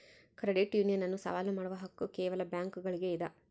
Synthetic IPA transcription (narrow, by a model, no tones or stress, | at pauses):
kɾɐɖiʈjuːnijɐnɐnːusɐ̰ʋaːlumaːɽuʋɐɦɐkːukɛːʋɐlɐbjaːŋkuɡɐɭiɡe̞id̪ɐ